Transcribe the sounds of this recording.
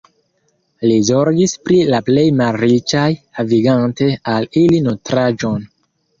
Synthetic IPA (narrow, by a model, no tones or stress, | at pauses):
lizo̞ɾɡispɾilaple̞jmalɾit͡ʃajhaviɡante̞alilinotɾad͡ʒo̞n